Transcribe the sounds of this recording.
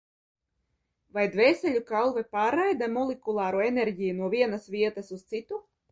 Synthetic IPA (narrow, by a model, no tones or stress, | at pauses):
vajd̪vʲɛːsʲɛlʲukalˠvɛpaːɾajd̪amɔlʲˠekulˠaːɾuenɛɾʲɟʲijunuɔvʲiɛnasvʲiɛt̪asust̪sit̪u